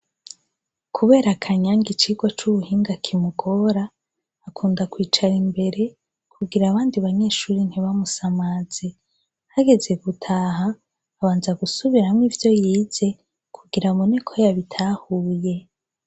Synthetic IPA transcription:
kʰuβe̞ːɾakʰaɲaŋɡit͡ʃiːɡwat͡ʃuβuhiːŋɡakʰimuɡo̞ɾaː | kʰuːndakwiːt͡ʃaɾimbe̞ɾe̞ | kʰuɡiɾaβaːndiβaɲe̞ːʃuːɾin̥hiβamusamaz̥e̞ | haɡe̞ze̞ɡutʰaːɦaː | βaːnzaɡusuβiɾamŋivjo̞jiːze̞ | kʰuɡiɾamonekʰo̞jaβitʰaːhuːje̞

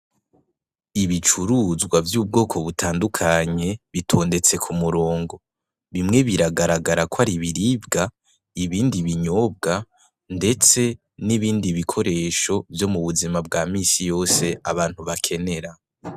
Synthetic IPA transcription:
iβit͡ʃuɾuzɡwavjuːb̚ɡo̞ːkʰo̞βutʰaːndukʰaɲe̞βitʰo̞ːnde̞t͡se̞kʰumuɾo̞ːŋɡo̞ | βimŋe̞βiɾaɡaɾaɡaɾakwaɾiβiɾiːbɡa | iβiːndiβiɲo̞ːb̚ɡa | nde̞t͡se̞ | niβiːndiβikʰo̞ɾe̞ːʃo̞vjo̞muβuzimab̚ɡaːmiːsijo̞ːse̞ʔaβaːn̥huβakʰe̞ne̞ɾa

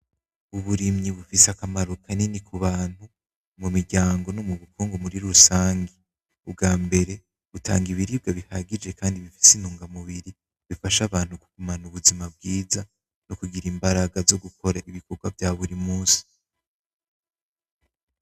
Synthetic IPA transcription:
uβuɾimɲiβufiseakamaɾokʰanenikʰuβaːn̥hu | mumiɾɟaːŋɡo̞nomuβukuːŋɡumuɾiɾusaːŋɡi | ub̚ɡaːmbe̞ɾe̞ | βutʰa̰ːŋɡiβiɾib̚ɡaβihaɡid͡ʒe̞kaːndiβifi̥sinuːŋɡamuβiɾi | βifaʃaβaːn̥hukuɡ̥umanuβuzimab̚ɡiːza | nokuɡiɾimbaɾaɡazo̞ɡukʰo̞ɾaiβiko̞ɡwavjaːβuɾimuːsi̥

